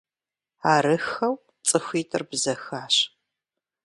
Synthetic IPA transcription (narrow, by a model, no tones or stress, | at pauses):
aːɾɨxɐw | t͡sʼɨxʷiːtʰʼɨrbzɐxaːɕ